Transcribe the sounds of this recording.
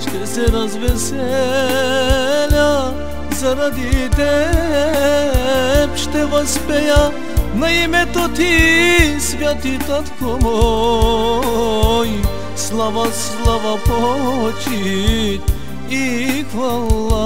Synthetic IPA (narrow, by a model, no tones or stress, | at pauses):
ʃt̪ɛsɛɾɐzʋɛsɛ | lʲa | zɐɾad̪it̪ɛ | pʃt̪ɛʋɐspɛja | nɐimɛt̪ot̪i | sʋjat̪it̪at̪komo | i | slˠaʋas | lˠaʋapot͡ʃi | ixʋalːa